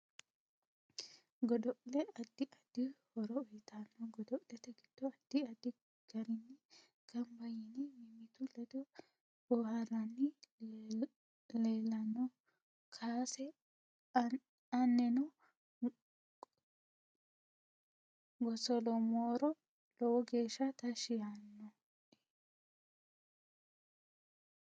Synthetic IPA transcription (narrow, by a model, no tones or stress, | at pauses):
ɡɔd̪ɔʔlɛɐd̪ːɪʔɐd̪̥ːɪhɔɾɔːjt̪anːɔɡɔd̪ɔʔlɛt̪ɐɡɪ̥d̪ːɔɐd̪̥ːɪɐd̪ɪ | ɡ̥ɐɾɪnːi | ɡ̥ɐmbɐjɪnimɪmɪt̪ʊlɛd̪ɔ | b̥ɔhɐrɐnːi | leːlːɐnːɔ | kʰaːsɛ | ɐnːɛnɔ | ɡɔsɔlɔmoːɾɔ | lɔwɔɡe̞ːʃːɐt̪ɐʃɪjanːɔ